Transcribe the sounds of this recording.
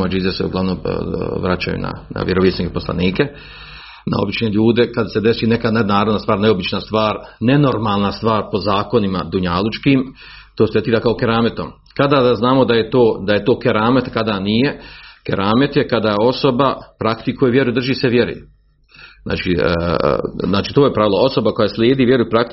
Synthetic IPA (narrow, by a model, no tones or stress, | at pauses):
ad͡ʑizeseṵɡlˠaʋnomʋɾat͡ɕa̰jṵna̰na̰ʋjeɾoʋisnikepo̞slˠa̰niːke̞ | na̰o̞̰bit͡ʃneʎuːd̪e̞kad̪ase̞d̪e̞siːne̞kanenaːɾod̪nast̪ʋaːɾneobit͡ʃnast̪ʋaːɾne̞no̞ɾmaːlˠnast̪ʋaːɾpo̞zaːko̞nimad̪uɲalut͡ʃkiːm | t̪oːset̪iːɾakaokeɾaːmet̪o̞m | kad̪ad̪aznaːmo̞d̪ajet̪oːd̪aje̞t̪o̞ːkeɾaːmet̪kad̪anije̞keɾʔaːmet̪je̞kad̪ao̞so̞bapɾakt̪ikujeʋjeɾujd̪r̩ʒiːse̞ʋje̞ɾṵ | zna̰ːt͡ʃḭː | znaːt͡ʃiːt̪oːjepɾaʋilao̞so̞bako̞jaslʲjeːd̪iːʋje̞ɾujupɾakt̪